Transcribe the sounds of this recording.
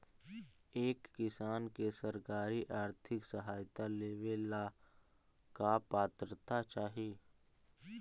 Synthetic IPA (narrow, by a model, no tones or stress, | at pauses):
eːkːɪsaːnkesəɾkaːɾiʔaːɾt̪ʰɪksəɦaːjt̪aleːʋela | kapaːt̪ɾət̪at͡ʃaːɦieː